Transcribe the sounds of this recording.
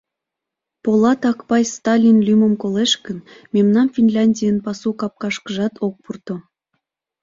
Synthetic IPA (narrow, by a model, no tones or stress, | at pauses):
polˠɑt̪ɑkpɑjst̪ɑlʲinlʲymə̆mkoleʃkə̆nmʲemnɑnfʲinlʲɑnʲdʲijənpɑsukɑp̚kɑʃkə̆ʒɑt̪ʰok̚purt̪ŏ